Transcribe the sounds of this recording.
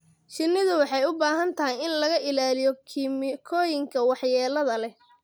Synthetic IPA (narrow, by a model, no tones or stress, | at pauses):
ʃɪnːɪðʊwɑħɑjʊbaːɦɐnt̪ʰɐɦɐjɪnlɐɣɐʔɪlaːlɪjɔkʰimɪkʰɔːjɪŋkʰɐwɑħjɛːlɐðɐlɛ